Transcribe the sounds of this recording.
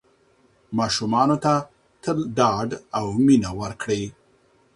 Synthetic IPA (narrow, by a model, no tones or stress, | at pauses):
mɑʃumɑnot̪a | t̪əlɖɑɖawminawəɾkɽe